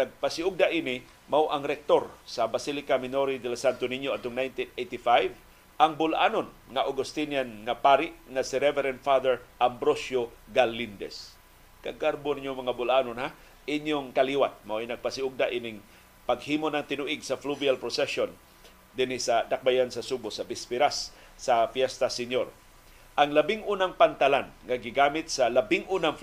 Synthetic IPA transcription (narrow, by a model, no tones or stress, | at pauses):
naɡ̚pasɪʊɡ̚d̪aʔinɪ | mawʔaŋɾɛk̚t̪oɾsabasilɪkamɪnoɾid̪ɛlasant̪onɪɲjoad̪̚ʊŋnajnt̪inejt̪ifajv | aŋbʊlʔaːnon | ŋaʔoɡʊst̪injanŋapaɾɪʔŋasiɾɛvɛɾɛnfad̪ɛɹʔambɾosjoɡalːind̪ɛ̰s | kaɡaɾboniɲjoŋmɐŋabʊlʔanonhɦa | ʔɪɲjoŋkaliwat̪̚mawinɐɡ̚pasɪʊɡ̚d̪aʔinɪŋ | paɡhiːmonɐŋt̪ɪnʊʔɪɡsafluvialpɾosɛson | d̪ɪnɪsad̪ak̚bajansasubosabɪspɪɾasː | afjɛst̪asɪɲjoɾ | ʔaŋlabɪŋʔuːnaŋpant̪alanŋaɡɪɡamɪt̪̚salabɪŋʔuːnaŋf